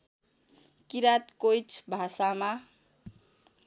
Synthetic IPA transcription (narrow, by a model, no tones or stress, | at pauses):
kiɾat̪kojt͡sʰbʱasama